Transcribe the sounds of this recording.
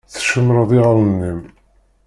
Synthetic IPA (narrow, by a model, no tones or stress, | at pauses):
θʃəmɾəðˤɪʁələnːim